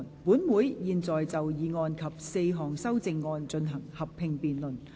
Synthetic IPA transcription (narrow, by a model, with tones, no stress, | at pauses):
npuː˨˥nmuː˨˥jjiː˨nt͡sɔː˨jt͡sɐ˨wjiː˨˧ŋɔː˧nkʰɐ˨p̚se˧jɦɔː˨ŋsɐ˥wt͡sɪ˧ŋːɔː˧nt͡ʃɵ˧nɦɐ˨˩ŋhɐ˨pʰːɪ˧ŋpiː˨nlɵ˨˩n